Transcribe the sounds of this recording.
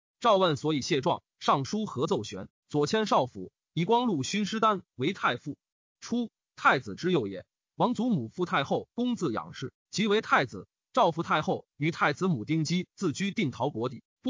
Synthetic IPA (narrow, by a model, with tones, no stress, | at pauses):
ʈ͡ʂɑ˥˧ʊwə˥˩nswɔ˧˥i˨˩ɕjɛ˥˧ʈ͡ʂwɑ̰˥˧ŋ | ʂɑ˥˩ŋʂu˥xɤ˧˥t͡so˥˩ʊɕɥɛ˧˥n | t͡swɔ˨˩t͡ɕʰjɛ˥nʂɑ˥˩ʊfu˧˥ | i˧˥˩kwɑ˥ŋlu˥˩ɕy˥nʂɻ̩˥t̪a˥nwe˧˥ɪt̪ʰa˥˧ɪfu˥˩ | ʈ͡ʂʰu˥ | t̪ʰa˥˩ɪt͡sɹ̩˨˩ʈ͡ʂɻ̩˥jo˥˩ʊjɛ̰˨˩n | wɑ˧˥ŋt͡su˧˥mu˨˩fu˥˧t̪ʰa˥˧ɪxo˥˩ʊkʊ˥ŋt͡sɹ̩˥˩jɑ̰˨˩ŋʂɻ̩˥˩ | t͡ɕi˧˥we˧˥ɪt̪ʰa˥˩ɪd͡zɹ̩˨˩ | ʈ͡ʂɑ˥˧ʊfu˧˥t̪ʰa˥˧ɪxo˥˩ʊy˨˩˥t̪ʰa˥˩ɪt͡sɹ̩˧˥mu˨˩t̪i˥˩ŋt͡ɕi˥t͡sɹ̩˥˩t͡ɕy˥t̪i˥˩ŋt̪ʰɑ˧˥ʊkwɔ˧˥t̪ḭ˨˩˦